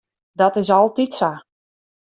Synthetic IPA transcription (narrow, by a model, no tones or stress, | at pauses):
dɔtɪsɔlˠtitsa